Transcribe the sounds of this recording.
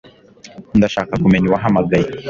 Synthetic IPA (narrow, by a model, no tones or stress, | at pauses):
ndaʃaːkakume̞ɲiwaɦamaɡaji